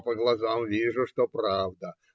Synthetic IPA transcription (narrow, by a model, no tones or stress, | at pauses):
pəɡlˠɐzamvʲiʐʊʂt̪opɾavd̪ə